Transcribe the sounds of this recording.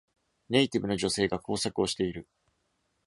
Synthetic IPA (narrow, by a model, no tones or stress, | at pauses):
ne̞it̪ʲibɯ̟no̞ʑo̞se̞ːɡako̞ːsakɯ̟o̞ɕi̥t̪e̞iɾɯ̟